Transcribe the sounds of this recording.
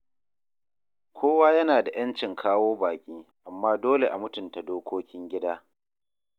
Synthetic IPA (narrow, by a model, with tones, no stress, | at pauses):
kʰʷoː˦waː˦jɐ˦naː˨da˨j̰ɐ˦nt͡ʃɪ˨ŋkʰaː˦woː˦baː˨kʲiː˦ʔa˨mːaː˦doː˦le˨ʔa˨mʊ˦tʊ˨nta˨doː˦kʷʰoː˦kʲɪ˦ŋɡʲɪ˦daː˦